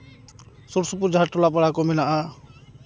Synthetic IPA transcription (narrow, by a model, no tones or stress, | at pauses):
suɾsup̬uɾd͡ʒʱaɾʈɔlapaɽakɔmɛnaʔa